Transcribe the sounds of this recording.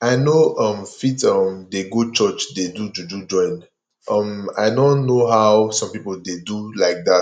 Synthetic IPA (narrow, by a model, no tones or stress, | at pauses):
aɪnoʔʌ̃mfitʌ̃mdeɡot͡ʃɜt͡ʃdedud͡ʒud͡ʒud͡ʒɔ̃ɪ̃n | ʔʌ̃ma̰ɪdõnːoɦaʊsɔ̃mpipəl̩dedulaɪk̚da